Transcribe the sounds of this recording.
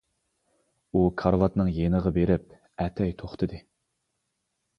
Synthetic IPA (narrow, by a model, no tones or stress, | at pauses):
ukʰɑɾlˠɑt̪nɨŋjenəʁɑbeɾɪp̚ | ɛt̪ʰɛjt̪ʰoχt̪ʰɨd̪ɨ